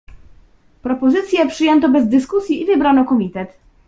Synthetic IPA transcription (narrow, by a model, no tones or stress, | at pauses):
pɾɔpɔzɘt̪sʲjɛpʂɘjɛnt̪ɔbɛzd̪ɘskusʲjiivɘbɾanɔkɔmʲit̪ɛt̪